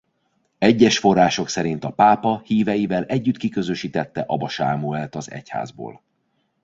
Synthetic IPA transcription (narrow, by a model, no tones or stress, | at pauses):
ɛɟːɛʃfo̞rːaːʃo̞ksɛɾint̪ɒpaːpɒhiːvɛjivɛlʔɛɟːyt̪kikø̞zø̞ʃiːt̪ɛt̪ːɛʔɒbɒʃaːmuɛlt̪ɒzɛ̰cha̰ːzbo̰ːl